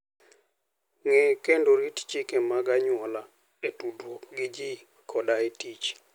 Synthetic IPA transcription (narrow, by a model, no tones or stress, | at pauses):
ŋɛkendoɾitt͡ʃikemaɡaɲwɔla | etudwokɡɪd͡ʒi | kʰɔdaetit͡ʃ